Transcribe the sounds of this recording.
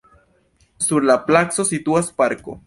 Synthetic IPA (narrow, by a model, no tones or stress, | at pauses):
suɾlaplakso̞sit̪uaspaɾko̞̰